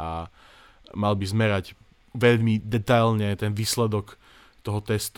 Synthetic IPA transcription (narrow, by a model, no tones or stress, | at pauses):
a̰ | malbizmɛɾaɟ | ʋɛʎmid̪ɛt̪alɲɛt̪ɛnʋiːslɛd̪ɔk | t̪ɔɦɔt̪ɛst̪